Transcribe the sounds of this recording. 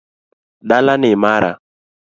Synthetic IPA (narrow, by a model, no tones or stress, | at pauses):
ɗalanɪmaɾa̰